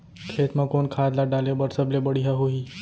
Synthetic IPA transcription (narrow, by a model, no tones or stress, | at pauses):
kʰeːt̪mãkonkʰaːd̪laɖaːlebəɾsəblebəɽiɦaɦoɦiː